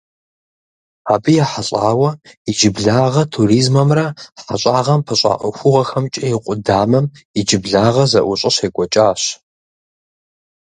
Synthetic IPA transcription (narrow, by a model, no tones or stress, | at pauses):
aːbɨjaːħaɕʼaːwɐid͡ʒɪbɮaːʁɐtʰuriːzmɐmrɐħaɕʼaːʁɐmpʰɐɕʼa̰ʔʷɐxʷʊʁɐxɐmt͡ʃʼɐjɪqʷʼʊdaːmɐmid͡ʒɪbɮaːʁɐzɐʔʷʊɕʼɐɕeːkʷʼɔt͡ʃʼaːɕ